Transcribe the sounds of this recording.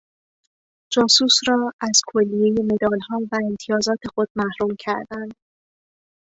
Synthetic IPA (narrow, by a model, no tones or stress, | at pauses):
d͡ʒɒːsuːsɾɒːæz̥kʰolːije̞je̞me̞d̪ɒːlhɒːvæemt̪ʰijɒːzɒːt̪ʰe̞xod̪̥̚mæhɾuːmcʰæɾd̪ænd̪̥